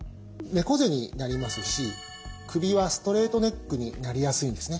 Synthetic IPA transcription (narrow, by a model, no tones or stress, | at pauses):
me̞ko̞ze̞ɲ̟inaɾʲimasɨɕi | kɯ̟bʲiβasɨ̥t̪o̞ɾe̞ːt̪o̞ne̞kːɯ̟ɲ̟ḭnaɾʲijasɨĩnd̪e̞sɨne̞